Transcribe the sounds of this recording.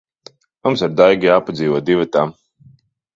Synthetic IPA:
mumsaɾd̪ajɡijaːpad̪zʲiːvɔɔd̪ivat̪am

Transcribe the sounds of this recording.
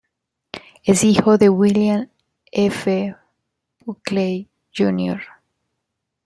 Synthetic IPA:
ezixoðewiljãn | efe | buklej | d͡ʒunjoɾ

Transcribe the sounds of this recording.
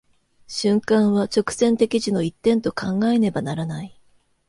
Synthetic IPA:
ɕɨ̃ŋkãɰ̃βat͡ɕo̞kɯ̟̥sẽ̞nt̪e̞kʲiʑino̞it̪ːẽ̞nt̪o̞kãŋɡaene̞banaɾanai

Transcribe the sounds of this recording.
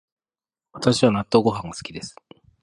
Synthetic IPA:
βat̪aɕiβanat̪ːo̞ːɡo̞ɦãŋɡasɨ̥kʲid̪e̞sɨ̥

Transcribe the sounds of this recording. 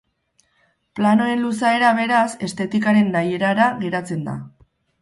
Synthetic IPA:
plano̞e̞nlusae̞ɾaβ̞e̞ɾase̞st̪e̞t̪ikaɾe̞nːaje̞ɾaɾaɣe̞ɾat͡se̞nd̪a̰

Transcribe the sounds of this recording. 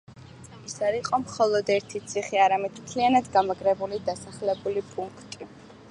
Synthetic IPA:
isaɾiqʼɔmχɔlˠɔd̪ɛɾt̪ʰit̪sʰiχiaɾamɛd̪mt̪ʰlianad̪ɡamaɡɾɛbulid̪asaχlɛbulipʼuŋkʰt̪ʼi

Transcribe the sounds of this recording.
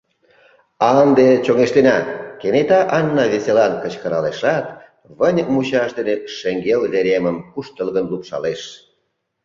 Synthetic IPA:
ɑnd̪et͡ɕoŋeʃt̪enɑkenet̪ɑʔɑnːɑβeselɑnkət͡ɕkəɾɑleʃɑt̪ | βənʲmut͡ɕɑʃd̪eneʃeŋɡelleɾeməmkuʃt̪əlɣənlupʃɑ̰leʃ

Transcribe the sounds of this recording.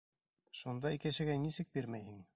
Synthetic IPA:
ʃund̪ɑikɘ̆ʃɘ̆ɡænisɘk̚biɾmæjhɘŋ

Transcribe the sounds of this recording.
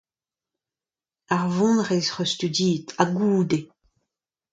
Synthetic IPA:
aʁvɔ̃nʁɛzʁøst̪yd̪iːt̪ʰaɡuːd̪e

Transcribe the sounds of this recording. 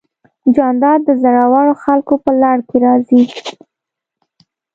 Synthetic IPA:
d͡ʒɑnd̪ɑɾd̪əzaɽawɑɽoxalkopəlɑɽkeɾɑzi

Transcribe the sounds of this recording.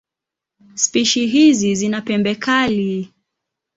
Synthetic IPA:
spiʃiɦizizinapɛmbɛkali

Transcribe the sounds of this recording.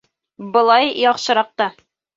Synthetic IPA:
bɤ̆lˠɑjjɒqʃɤ̆ɾɑq̚t̪ɑ

